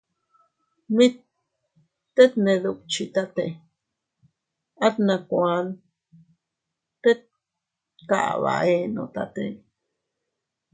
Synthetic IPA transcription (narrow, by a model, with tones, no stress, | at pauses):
mĩ˦t̪ | t̪e˦t̪nẽ˧ðu˧k̚t͡ʃi˧t̪a˦t̪ḛ˧ | a˦t̪nã˧kʷa˧˦n | t̪e˦t̪̚ | ka̰˨ʔβa̰˨e˧nõ̰˧t̪a˧t̪ḛ˦˧